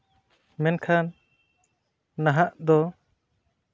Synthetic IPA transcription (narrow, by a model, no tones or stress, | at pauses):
mɛnkʰan | aɦaʔd̪ɔ